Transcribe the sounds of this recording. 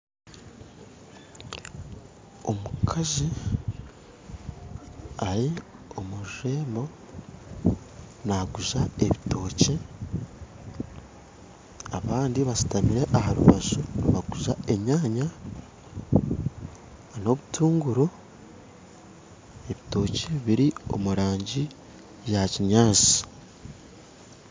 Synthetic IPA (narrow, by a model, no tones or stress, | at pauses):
o̞mukʰazi | aɾiomuʒe̞ːmbo̞ | naɡuʒae̞βito̞ːci | a̰βaːndiβasu̥tamiɾe̞ʔaɦaɾṵβazunβaɡuʒae̞ɲaːɲa | no̞βutʰuːŋɡuɾo | e̞βito̞ːceβiɾio̞̰muɾaːɲɟi | jaciɲaːt͡si̥